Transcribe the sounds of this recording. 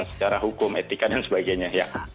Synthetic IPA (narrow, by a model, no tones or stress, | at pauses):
ŋsə̥t͡ʃaɾaɦukʊmḛt̪ikadansəbaɡajɲaja